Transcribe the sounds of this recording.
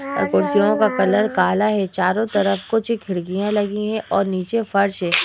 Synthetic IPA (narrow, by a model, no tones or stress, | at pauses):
ɐ̰ɾkʊɾsijõkakɐləɾkaːlaɦɛt͡ʃaːɾõt̪ɐɾəfkot͡ʃikʰɪɽɡijãlɐɡĩɦɛ̃ʔɔːɾniːt͡ʃefɐɾʃɦɛː